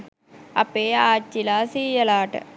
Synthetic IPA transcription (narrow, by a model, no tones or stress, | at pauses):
ɐpeːaːt͡ʃːilaːsiːjɐlaːʈɐ̰